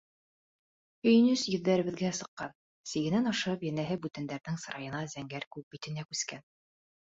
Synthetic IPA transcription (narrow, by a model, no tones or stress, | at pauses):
ɵ̆jɘ̆nɵsjɵ̆ðːæɾɘ̆βɘ̆ðɡæsɤ̆qːɑn | siɡɘ̆nænɑʃɤpjænæɦɘbʉt̪ænd̪æɾnɘŋsɤɾɑjɤ̆nɑzæŋɡæɾkʉp̚bit̪ɘ̆nækʉskæn